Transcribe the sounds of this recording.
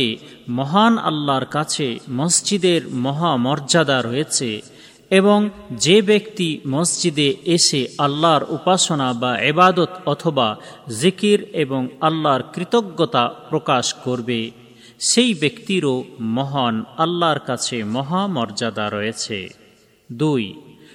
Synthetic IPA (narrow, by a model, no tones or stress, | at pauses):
e | mɔɦana̰lːaɾkat͡ɕʰemʌsd͡ʑid̪eɾmɔɦamɔɾd͡ʑad̪aɾɔjet͡ɕʰe | eboŋd͡ʑebekt̪imʌsd͡ʑid̪eeʃealːaɾupaʃonabaibad̪ot̪ɔt̪ʰobazikɾeboŋalːaɾkɾit̪oɡːot̪apɾokaʃkoɾbe | ʃejbekt̪iɾomɔɦanalːaɾkat͡ɕʰemɔɦamɔɾd͡ʑad̪aɾɔet͡ɕʰḛ | d̪uj